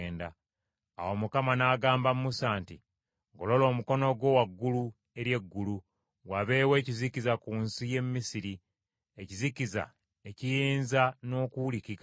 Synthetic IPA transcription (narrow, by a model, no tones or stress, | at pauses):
nda̰ː | womukamanaːɡaːmbammusaːnti | ɡo̞lo̞lo̞ːmuko̞no̞ɡwo̞ːwaɡːulu | e̞ɾje̞ɡːulu | waβe̞ːwe̞ːcizicizakuːnsije̞mːisiɾi | e̞ciziciza̰ | ecijeːnzano̞ːkuwulikika